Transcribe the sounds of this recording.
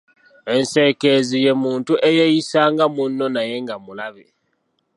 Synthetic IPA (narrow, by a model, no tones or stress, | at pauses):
e̞nse̞ke̞zije̞muːntuʔejejisaːŋɡamunːo̞naje̞ŋɡamulaβḛ